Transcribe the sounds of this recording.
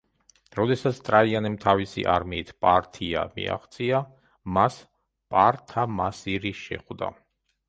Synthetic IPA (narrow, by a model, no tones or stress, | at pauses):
ɾɔd̪ɛsat̪sʰt̪ʼɾaianɛmt̪ʰavisḭʔaɾmiːt̪ʰpʼaɾt̪ʰia̰mḭa̰χt̪sʼia | mas | pʼaɾt̪ʰamasiɾiʃɛ̰χd̪a̰